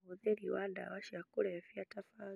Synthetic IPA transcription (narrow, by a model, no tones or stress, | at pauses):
uðɛɾiwanda̰waʃiakuɾɛfiatafa